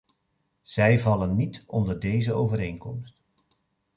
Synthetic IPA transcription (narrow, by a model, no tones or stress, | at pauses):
z̥ɛjvɑlənːitɔndəɹdejzəowvəɾejŋkɔmst